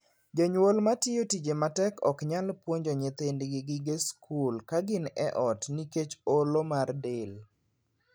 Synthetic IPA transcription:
d͡ʒoɲwolmatɪjotid͡ʒematɛkɔkɲalpwoɲd͡ʒoɲet̪endɡɪɡɪɡeskʰulkaɡɪnɛʔɔtniket͡ʃolomardel

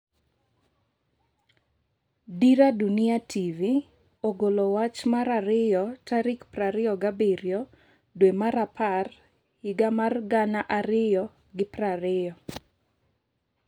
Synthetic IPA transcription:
diɾadunɪatʰivi | oɡolowat͡ʃmaɾaɾɪjɔtʰaɾɪkpraɾɪjɔɡabeɾjɔ | dwemaɾapar | hɪɡamarɡanaʔaɾɪjɔ | ɡɪpraɾɪjɔ

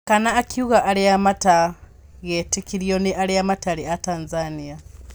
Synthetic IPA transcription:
kanaːkiuɣaʔːliamata | ɣetikiɾjoniʔaliamataɾiataːnzania

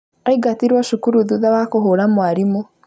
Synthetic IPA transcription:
aiɡatiɾwaʃukuɾuðuðawakoɦoɾamwaɾimo

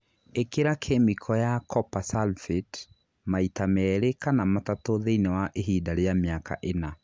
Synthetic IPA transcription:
ekeɾakʰemikʰɔjakʰɔpasalfet | maitamɛɾekanamatatoðeinɛwaʔeɦidaɾeamjaka̰ʔena

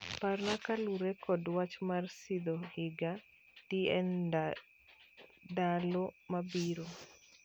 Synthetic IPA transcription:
parnakaluɾekɔdwat͡ʃmarsid̪ohɪɡa | tiɛn | dalomabiɾo

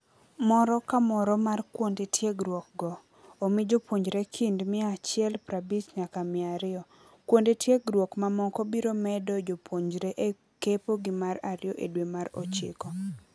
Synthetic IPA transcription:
mɔɾɔkamɔɾɔmarkwondetʰjeɡɾwɔk̚ɡɔ | omɪd͡ʒopwoɲd͡ʒɾekʰindmɪat͡ʃɪɛlpɾabisɲakamɪaɾɪɔ | kwondetjeɡɾwɔkmamɔkɔbiɾomɛdɔd͡ʒopwoɲd͡ʒɾeʔe | kepoɡɪmaɾaɾjɔʔedwemaɾɔ̰t͡ʃɪ̰kɔ

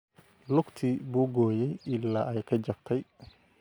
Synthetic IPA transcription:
lʊɡt̪ʰiːbuːɡɔːjɛjɪlːaːʔɛjkʰɐd͡ʒɐb̚t̪ʰɛj

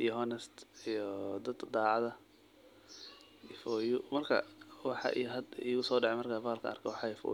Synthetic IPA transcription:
ijɔɦɔnɛst̪ijɔd̪ɐd̪d̪aːʕɑðɐ | ifɔːjʊmɐrkʰɐ̰wɑħɑ̰ʔḭjɦɐd̪iɣʊsɔːɖɑʕɛmɐrkʰafaːlkʰɐ̰ɐ̰rkʰɛwɑħɑjfɔ̰

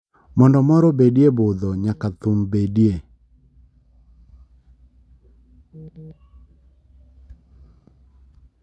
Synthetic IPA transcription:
mɔndɔmɔɾɔbedjebʊd̪ɔɲakat̪umbedje

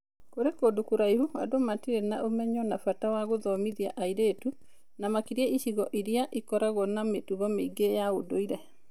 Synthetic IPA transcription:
koɾekodokoɾaihua̰domatiɾenaʔomɛɲɔnafatawaɣoðɔmiðia̰ʔaiɾeːtu | namakiɾiɛiɕiɣɔʔiɾijaʔikɔɾaɣɔnametuɣɔmeiɡejaodoiɾɛ

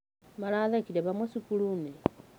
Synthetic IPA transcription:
malaðakiɾeβamwesikulume

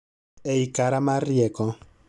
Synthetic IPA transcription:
eikaɾamarjɛkɔ

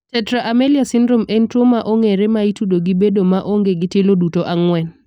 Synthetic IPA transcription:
tɛtɾaʔameliasɪndɾomentɾomaʔoŋeɾemaitudoɡɪbedomaʔoŋɡeɡɪtelodutoʔaŋwɛn

